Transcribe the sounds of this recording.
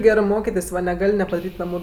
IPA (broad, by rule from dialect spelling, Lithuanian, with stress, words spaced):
ˈɡʲæːrɜ ˈmoːkʲɪtʲeːsʲ ʋɐ nʲɛˈɡɐlʲ nʲɛpɐdɐˈrʲiːtʲ ˈnɑːmʊ